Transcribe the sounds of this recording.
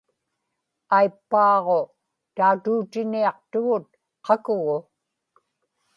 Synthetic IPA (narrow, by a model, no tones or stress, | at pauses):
ajpːɑːʁo̞ | t̪aut̪uːt̪ɪniɑq̚t̪ʊɣʊt̪̚ | qʰɑkʊɣʊ